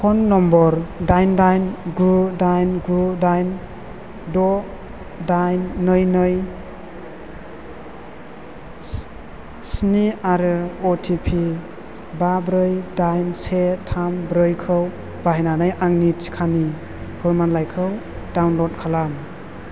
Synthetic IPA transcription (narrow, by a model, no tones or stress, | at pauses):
pʰɔnːɔmbɔɾdajndajnɡudajnɡudajn | dɔ | dajnːɯjnɯj | sniaɾɯɔtʰipʰi | babɾɯjdajnsetʰambɾɯjkʰɯw | baɦinanɯjʔaŋnit͡ʃi̥kʰani | bʰɯɾmanlajkʰɯw | dawnlɔt̚kʰalam